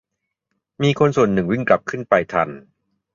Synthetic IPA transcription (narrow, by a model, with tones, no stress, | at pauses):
miː˧kʰo˧nsu˨˩ənːɯ˨˩ŋwi˥˩ŋkla˨˩p̚kʰɯ˥˩npa˧jt̪ʰa̰˧n